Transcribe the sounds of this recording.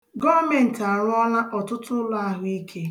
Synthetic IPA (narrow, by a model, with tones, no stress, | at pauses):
ɡɔ˦me˨n̩˨ta˨ɾʊ˦ɔ˦la˦ʔɔ˨tʊ˦tʊ˦lʊ˦a˦ɦʊ˦i˦kʰe˦